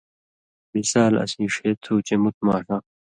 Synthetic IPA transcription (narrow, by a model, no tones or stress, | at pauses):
bisaːlɐ̰siːʂeːt̪ʰuːt͡ɕemut̪̚ʰmaːʂɐ